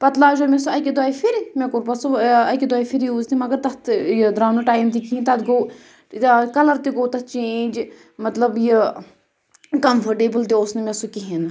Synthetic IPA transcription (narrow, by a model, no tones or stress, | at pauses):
pɐt̪laːd͡ʒoːmʲesuɐkid̪uaːjifʰiɾmekoɾpɐsuɐkid̪aːjfʰiɾjuːzt̪imɐɡɐɾt̪ɐt̪jd̪ɾaːnuʈaːjmt̪̬ikĩːnt̪ɐd̪ɡo | kɐlɐɾt̪iɡoːt̪ɐtt͡ʃẽːnd͡ʒ | mɐt̪lɐbji | kɐmfʰɐɾʈeːbəlt̪ioːsnimʲesukiɦin